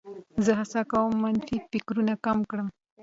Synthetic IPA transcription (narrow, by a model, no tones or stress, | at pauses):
zəɦasɑkawəmːanfifɪkɾunakamkɽəm